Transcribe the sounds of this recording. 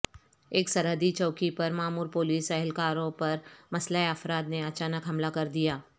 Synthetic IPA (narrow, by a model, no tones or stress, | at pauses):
eːksɐɾɦəd̪it͡ʃɔːkipɐɾmaːmuːɾpoːliːsɛɦɪlkaːɾõpɐɾmɐslaːeɐfɾaːd̪neɐt͡ʃaːnəkɦɐmlakɐɾd̪ijaː